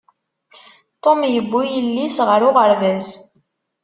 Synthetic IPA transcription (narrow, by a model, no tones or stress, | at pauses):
t̪ˤomjəbːujəlːisʁəɾʊʁəɾvæz